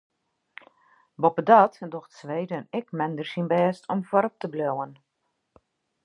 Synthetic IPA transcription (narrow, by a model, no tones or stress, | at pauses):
bopədɔtdoxtsʋeːdənɪkmɛndərsinbɛːstʰɔmfwɔɾɔp̚təblowən